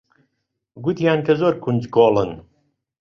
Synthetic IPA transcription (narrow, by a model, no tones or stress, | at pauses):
ɡut̪jaːnkɐzoːɾkʰund͡ʒkoːlˠɨn